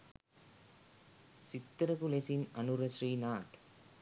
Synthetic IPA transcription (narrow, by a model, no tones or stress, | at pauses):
sɪt̪ːɾɐkulesinɐnuɾɐʃriːnaːt̪